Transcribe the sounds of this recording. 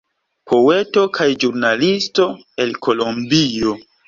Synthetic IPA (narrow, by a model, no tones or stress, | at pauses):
pʰo̞we̞to̞kʰajd͡ʒuɾnalisto̞ | elkʰo̞lombio̞